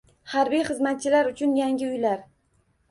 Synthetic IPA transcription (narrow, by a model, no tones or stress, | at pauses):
haɾbijχɨzmat̪̚t͡ʃʰɪlaɾʊt͡ʃʰʊnjaŋɡʲɪʊjlaɾ